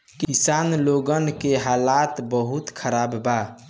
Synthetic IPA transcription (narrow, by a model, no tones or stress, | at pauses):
kisaːnloɡənkeɦaːlat̪bəɦut̪kʰəɾaːbba